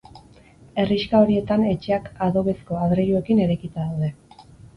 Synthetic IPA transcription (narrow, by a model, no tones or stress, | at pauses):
e̞riʃkao̞ɾie̞t̪ane̞t͡ʃe̞akaðo̞βe̞sko̞aðɾeɾue̞kine̞ɾekit̪aðawðe̞